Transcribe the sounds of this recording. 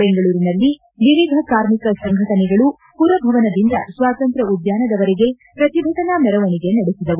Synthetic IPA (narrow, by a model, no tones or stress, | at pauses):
beŋɡɐɭuːɾinɐlːi | niʋiːɡʱɐkaːɾmikɐsɐŋɡʱɐʈɐnɛɡɐɭu | puɾɐbʱɐʋɐnɐd̪ind̪ɐ̰sʋaːt̪ɐnt̪ɾɐud̪jaːnɐd̪ɐʋɐɾɛɡe̞ | pɾɐt̪ibʱɐʈɐnamɛɾɐʋɐniɡe̞nɐɽesid̪ɐʋu